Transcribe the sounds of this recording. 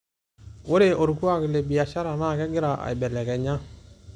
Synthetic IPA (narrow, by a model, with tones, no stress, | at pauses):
wo˦ɾe˨ʔo˨ɾku˦a˦˨kɪ˨le˨bi˨ja˨ʃa˦ɾa˨na˦˨kɛ˦ɡɪ˦ɾa˨ʔa̰˨i˨bɛ˨lɛ˨kɛ˨ɲa˦